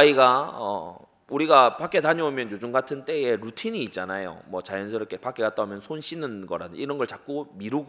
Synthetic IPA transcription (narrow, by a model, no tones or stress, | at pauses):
aiɡaʌ̰ | uɾiɡapak͈e̞taɲʌomjʌnjod͡ʑuŋɡatʰɯnt͈e̞je̞ɾutʰiɲiːt̚t͡ɕ͈anajo̰mwʌt͡ɕajʌnsʰɯɾɯkʰepak͈eɡat̚t͈aɦumjʌnsʰonɕʰinɯnɡʌɾa̰dɯiɾʌnɡʌɭt͡ɕak̚k͈omiɾɯɡ